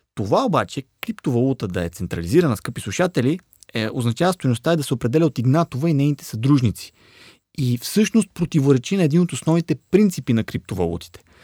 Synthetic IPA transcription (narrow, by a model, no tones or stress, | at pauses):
t̪ovaobat͡ʃɛkɾipt̪ovɐlˠut̪əd̪ɐɛt̪sɛnt̪ɾɐliziɾɐnəskɤpislˠuʃat̪ɛlʲi | ɛoznɐt͡ʃavəst̪ojnost̪aɛd̪ɐsɛopɾɛd̪ɛlʲɛot̪iɡnat̪ovəinɛjnit̪ɛ̥sɐd̪ɾuʒnit̪si̥ | ifsɤʃnost̪̚pɾot̪ivoɾɛt͡ʃinɐɛd̪inot̪osnɔvnit̪ɛpɾint̪sipinɐkɾip̚t̪ovɐ̰lˠṵt̪i̥t̪ɛ̥